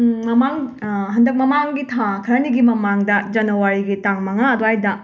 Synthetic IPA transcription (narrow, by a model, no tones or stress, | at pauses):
mɐmaŋɦɐndɐk̚mɐmaŋɡitʰakʰɐɾɐniɡimɐmaŋdɐd͡ʒɐnɐwaɾiɡitaŋmɐŋaɐdohajdɐ